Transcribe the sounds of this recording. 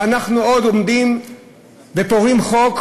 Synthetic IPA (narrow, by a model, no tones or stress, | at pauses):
anaχnuo̞d̪omd̪im | vepoʁimχo̞k